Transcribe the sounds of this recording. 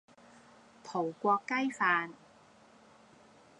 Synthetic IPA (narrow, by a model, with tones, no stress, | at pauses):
t̪ʰo˨˩wkʷɔː˧kːa˥˩jfaː˧n